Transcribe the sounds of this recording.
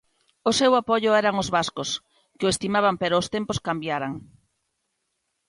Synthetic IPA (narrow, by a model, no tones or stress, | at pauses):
ʊsewapɔʎʊɛɾaŋozβaskʊs | kɪoest̪imaβampeɾʊːst̪empʊskambjaɾaŋ